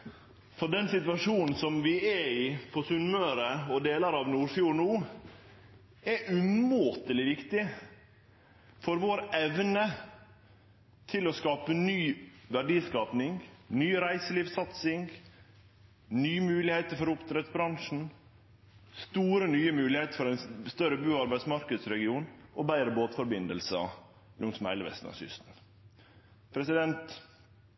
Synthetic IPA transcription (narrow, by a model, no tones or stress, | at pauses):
fɔɖɛnsɪt̪ʋɑʂuːnn̩sɔmʋɪɛɪfɔsʉnmøːɾəɔd̪eːləɾɑʋnuːɾfjuːnuː | ɛʔʉmoːt̪əlɪʋɪkt̪ɪ | fɔɾʋoːɾɛʋnə | t̪ʰɪlɔskɑːpənyːʋæɖiːskɑːpnɪŋnyːɾæɪsəliːʋsɑt̪sɪŋ | nyːmʉːlɪheːt̪əɾfɔɾʊpt̪ʰɾɛt̪bɾɑŋʂn̩ | st̪uːɾənyːəmʉːlɪheːt̪əfɔɾæɪnst̪œɾəbʉːɑɾbæɪd̪smɑɾkəd̪sɾɛɡɪuːnʔɔbæɪɾəboːt̪fɔɾbɪnd̪əlsəɑ̰ | lʊŋsm̩hæ̰ɪləʋɛ̰st̪n̩ɑ̰sʏ̰st̪n̩ | pʰɾɛsɪd̪ɛnt̪